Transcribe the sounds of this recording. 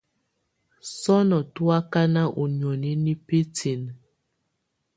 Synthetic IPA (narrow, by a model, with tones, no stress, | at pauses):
sɔ˦nɔ˨tu˦a˦ka˦na˦ʔu˨ɲ˨ɔ˨ni˦ni˦pe˦tʰi˨n˨